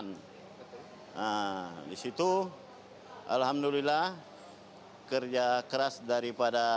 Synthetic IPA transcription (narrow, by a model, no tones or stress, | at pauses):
n | ədisit̪u | ʔa̰lɦamdulilah | kərd͡ʒakəɾasdaɾipada